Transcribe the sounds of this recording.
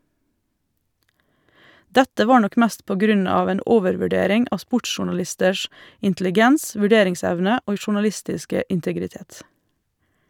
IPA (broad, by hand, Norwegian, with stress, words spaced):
ˈdɛtə ˈʋɑː ˈɳɔk ˈmæst ˈpoː ˈɡɾʉn ˈɑːʋ ˈeːn ˈoːʋəɾʋʉˌɖeːɾɪŋ ˈɑː ˈspʊʈʃʊɳɑˌlɪstəʃ ɪntlɪˈɡɛns ʋʉˈɖeːɾɪŋˌsɛʋnə ˈoːɡ ʃʊɳɑˈlɪstɪskə ɪntəɡɾɪˈteːt